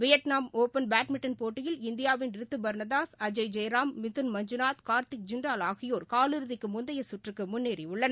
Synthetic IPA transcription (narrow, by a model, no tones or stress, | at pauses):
ʋɪjɐʈnaːmoːpɐnbaːʈmɪʈːɐnpoːʈːɪjɪlɪnd̪ɪjaːʋɪnɪɾɯt̪ːɯbɐɾnɐðaːsɐd͡ʒɐɪd͡ʒɐjɾaːmːɪt̪ːɯnmɐɲd͡ʒɯnaːt̪kaːɾt̪ɪk̚d͡ʒɪɳɖaːlaːɣɪjoːɾkaːlɯɾɯðɪkːɯmʊnd̪ɐjɐsʊʈrɯkːɯmʊnːeːɾiʊɭːɐnɐ